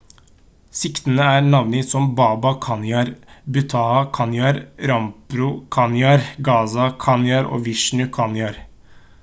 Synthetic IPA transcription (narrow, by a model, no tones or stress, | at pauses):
sɪkt̪ənəæːɾnɑʋnɪsɔmbɑːbɑkʰɑnjɑɾbʉt̪ʰɑːɑkʰɑnjɑɾɾɑmpɾʊkʰɑnjɑɾɡɑːsɑkʰɑnjɑɾo̰ːʋɪʃnʉkʰɑnjɑɾ